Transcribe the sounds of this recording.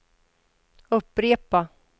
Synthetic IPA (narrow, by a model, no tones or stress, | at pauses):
ɵpːɾeːpa